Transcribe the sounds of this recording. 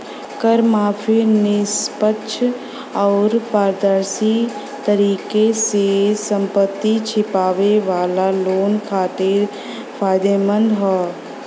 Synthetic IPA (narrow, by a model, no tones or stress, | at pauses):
kəɾmaːfʰinɪspətːʃʰ | ɔːɾpaːɾd̪əɾsi | t̪əɾiːkesesə̃mpət̪ːit͡ʃʰɪpaːʋeʋaːlaloːnkʰaːt̪ɪɾ | fʰaːjd̪emə̃nd̪ɦɔː